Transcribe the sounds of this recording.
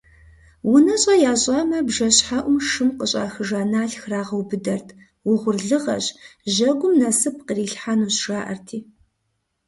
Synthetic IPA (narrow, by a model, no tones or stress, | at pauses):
wʊnɐɕʼɐjaːɕʼɐmɐbʒɐɕħaʔʷʊmʂɨmqəɕʼa̰ːxɨʒaːnaːɬxraːʁɐwbɨdɐrtʰ | wʊʁʷʊrɮɨʁɐ̰ɕʑɐɡʷʊmnɐsɨp̚qəriːɬħanuːɕʂaːʔɐ̰rtʰiː